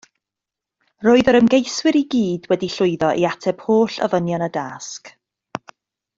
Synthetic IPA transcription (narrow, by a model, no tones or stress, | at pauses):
roːɨðɔɾəmɡejswɪɾiɡiːdwɛdiɬʊɨðɔʔiatʰɛb̥hoːɬə̰vənjɔnədask